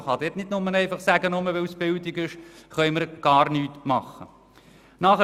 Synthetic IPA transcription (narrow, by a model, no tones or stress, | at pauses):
χɑd̪ɛːtnɪdnʊmənɛɪfɑχsæɡənʊməʋɛwsb̥ɪldɪɡɪʃχœʏməɾɡ̥ɑːɾnyːtmɑχə̰ | nɑχə